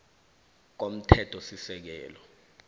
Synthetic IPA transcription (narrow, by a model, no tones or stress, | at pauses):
k̬om̩tʰɛtʰɔsisɛk̬ɛ̰ːlɔ